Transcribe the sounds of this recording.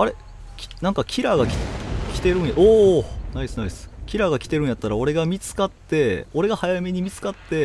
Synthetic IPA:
aɾe̞ | kʲi̥nãŋkakʲʰiɾaɡakʲi̥kʲi̥t̪e̞ɾɯ̟̃ɰ̃jaoːnaiesɨnaisɨ̥kʲiɾaɡakʲi̥t̪e̞ɾɯ̟ɰ̃jat̪ːaɾao̞ɾe̞ɡamʲit͡sɨ̥kat̪ːe̞o̞ɾe̞ɡahajame̞ɲ̟imʲit͡sɨ̥kat̪ːe̞

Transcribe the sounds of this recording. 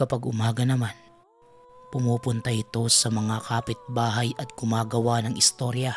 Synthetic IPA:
kɐpɐɡʊmaːɡɐnɐman | pʊmuːpʊnt̪ɐʔɪt̪o̞sɐmɐŋakʰaːpɪt̪̚baːɦɐjʔɐt̪̚ɡ̥ʊmaːɡɐwanɐŋɪst̪o̞ɾjɐ

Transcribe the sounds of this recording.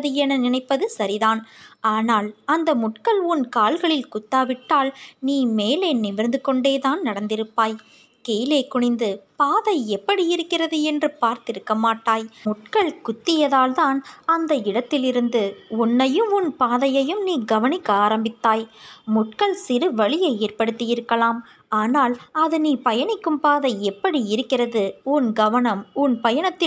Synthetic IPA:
ɐðɯɛnɐnɪnɐɪpːɐðɯsɐɾiðaːnaːnaːlɐnd̪ɐmʊʈkɐɭʊnkaːlɣɐɭɪlkʊt̪ːaːʋɪʈːaːlniːmeːleːnɪmɪɾnd̪ɯkɔɳɖeːt̪aːnnɐɽɐnd̪ɪɾɯpːaːj | keːleːkʊɳɪnd̪ɯpaːðɐɪɛpːɐɽiɪɾɯkːɪrɐðɯɛndrɯpaːɾt̪ɪɾɯkːɐmaːʈːaːjmʊʈ̚kɐɭkʊt̪ːɪjɐðaːlt̪aːnɐnd̪ɐɪɽɐt̪ːɪlɪɾɯnd̪ɯʊnːɐjɯmʊnpaːðɐjɐjɯmniːɡɐʋɐnɪkːaːɾɐmbɪt̪ːaːjmʊʈ̚kɐɭsɪɾɯʋɐɭɪjɐɪeːrpɐɽɯt̪ːɪjɪɾɯkːɐɭaːm | aːnaːlɐðɯniːpɐjɐɳɪkːɯmpaːðɐɪɛpːɐɽiɪɾɯkːɪrɐðɯʊnɡɐʋɐnɐmʊnpɐjɐnɐt̪ːɪ

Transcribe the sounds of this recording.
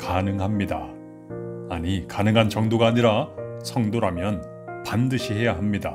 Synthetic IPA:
kanɯŋɦamɲida | aɲikanɯŋɦant͡ɕʌŋdoɡaːɲiɾasʰʌŋdoɾamjʌn | pandɯɕʰiɦe̞jaɦamɲida

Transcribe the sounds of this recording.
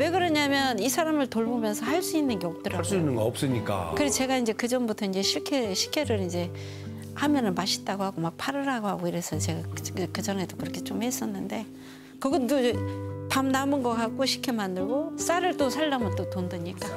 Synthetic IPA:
we̞ɡɯɾʌɲamjʌnisʰaɾamɯɭtoɭbomjʌnsʰʌhaɭs͈uinːɯnɡe̞ʌp̚t͈ɯɾaɭs͈uinːɯnɡʌʌp̚s͈ɯɲik͈a̰kɯɾet͡ɕe̞ɡaind͡ʑe̞kɯd͡ʑʌnbutʰʌind͡ʑe̞ɕʰiɭkʰeɕʰikʰe̞ɾɯɾind͡ʑe̞ | hamjʌnɯnmaɕʰi̥t̚t͈aɡohaɡomak̚pʰaɾɯɾaɡohaɡoiɾe̞sʰʌt͡ɕe̞ɡakɯd͡ʑʌnɦe̞dokɯɾʌkʰe̞t͡ɕomhe̞s͈ʌnːɯnde̞ | kɯɡʌt͈opamnamɯnɡʌkak̚k͈oɕʰi̥kʰemandɯɭɡos͈aɾɯɭt͈osʰaɭːamɯɭt͈otondɯɲik͈a

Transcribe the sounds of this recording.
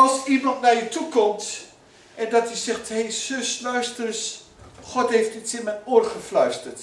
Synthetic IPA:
ɑlˠsimɑntnajətukɔmt | ʔɛndɔtisɛxthesøslœɥstərs | χɔtheftɪtsɪmɛnoərχəflœɥstərt

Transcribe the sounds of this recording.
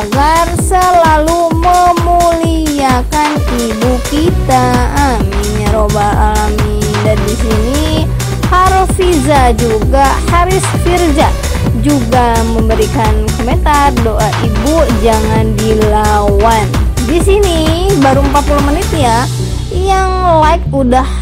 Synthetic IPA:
aɡarsəlaluməmuli | akan | ibukit̪aːmiɲaɾobaaamidandisini | haɾfizad͡ʒuɡahaɾɪsfird͡ʒa | d͡ʒuɡaməmbəɾikankoment̪ardoʔaʔibud͡ʒaŋandilawandisinibaɾuəmpat̪̚pulʊmənɪt̪ja | jaŋlaɪk̚udah

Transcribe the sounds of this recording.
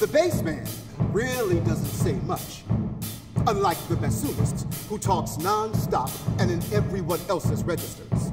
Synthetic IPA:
ðɨbeɪsmæ̃n | ɹɪl̩ˠidʌzɨ̃ntseɪmʌt͡ʃ | ə̃nlaɪk̚ðɨbæsulɨstshutʰɔksnɑ̃nstɑpɨ̃nɨ̃nɛvɹiwʌ̃nɛlˠsɨzɹɛd͡ʒɨstə˞z̥

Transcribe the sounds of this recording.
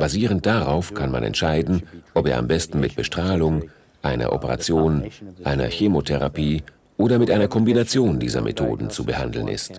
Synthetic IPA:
b̥aziːʁ̞ənt̚d̥aʁaʊfkʰanma̰nɛ̰ntʃaɪdn̩ʔɔpeːɐa̰mbɛstn̩mɪt̚b̥əʃtʁ̥aːlʊŋ | ʔaɪnɐ̰ʔɔpəʁa̰t͡sjoːnʔaɪnɐ̰çemotʰɛʁapʰiː | ʔoːdɐmɪtʔaɪnɐkʰɔmbinat͡sjoːndiːzɐ̰mʔḛtʰo̰ːdn̩t͡subəhandl̩nʔɪ̰st

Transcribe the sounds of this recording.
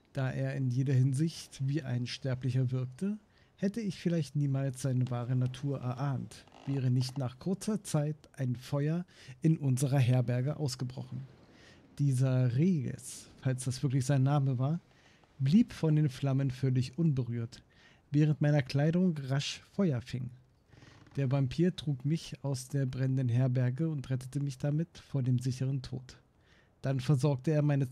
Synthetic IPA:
d̥aːʔeːɐɪnjeːdɐɦɪnzɪçtviːʔa̰ɪnʃtɛɐplɪçɐvɪɐk̚tʰə | hɛtəɪçfɪlaɪçtniːmaːlsz̥aɪnəvaːʁənatʰuːɐʔɛ̰ɐʔaːntv̥ɛːʁ̞ənɪçtnaːχkʰʊɐt͡sɐt͡saɪtʔaɪnfɔʏɐ | ʔɪnʔʊnzəʁɐɦɛɐbɛɐɡəʔa̰ʊsɡ̥əbʁɔ̰χn̩ | d̥iːzɐʁeːɡə̰sfalsd̥asv̥ɪɐklɪçz̥aɪnːaːməvaːɐ | bliːpfɔndeːnfl̥amənfœlɪçʔʊnbəʁyːɐt | vɛːʁ̞əntmaɪnɐkl̥aɪɾʊŋʁaʃfɔʏɐfɪŋ | d̥eːɐvampʰiːɐtʁ̥uːkmɪçaʊsd̥eːɐbʁɛnəndənɦɛɐbɛɐɡəʊntʁɛtə̥təmɪçd̥amɪtfoːɐdeːmzɪçəʁəntʰo̰ːt | d̥anfɛɐzɔɐk̚təeːɐmaɪnə

